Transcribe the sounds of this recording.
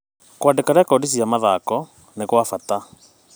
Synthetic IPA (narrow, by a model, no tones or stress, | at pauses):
kwadekaɾɛkɔdis̬iamaðakɔ | nekwafata